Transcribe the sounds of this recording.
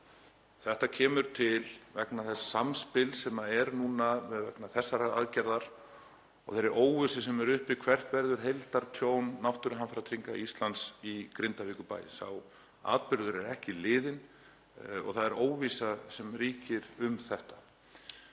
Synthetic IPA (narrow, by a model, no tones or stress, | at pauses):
θɛht̪acʰɛːmʏɾt̪ʰɪlvɛknaθɛsḁsamspɪlsɛmaɛɾnuːnamɛðvɛknaθɛsːaɾaa̰ðcɛɾðaɾ̥ | ɔ̰ɣθeɾɛɾʔoːwvʏsɪsɛmɛɾʏhpɪkʰvɛr̥t̪vɛɾðʏɾ̥ɦejlt̪aɾ̥t̪ʰjoːwnːawht̪ʏɾɦanfɪɾawt̪ʰɾiŋkaist̪lant̪sikɾɪnt̪aviːkʏpa̰ːjɪ̰sa̰w | a̰ːt̪̚pɪɾðʏɾɛɾɛhcɪlɪːðɪn | ɔ̰ɣθaðɛɾoːwvisasɛmriːcɪɾʏmθɛht̪ḁ